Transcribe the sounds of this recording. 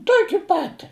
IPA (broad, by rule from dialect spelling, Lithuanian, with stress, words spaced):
ˈtuɔkʲɪ ˈpɑːtʲɪ